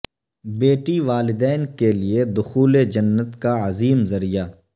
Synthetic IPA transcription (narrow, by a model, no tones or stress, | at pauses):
beːʈiʋaːlɪd̪ɛːnkelied̪ʊxuːled͡ʒɐnːət̪kaɐziːmzɐɾijaː